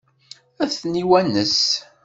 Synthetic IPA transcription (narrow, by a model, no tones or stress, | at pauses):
æθniwænəs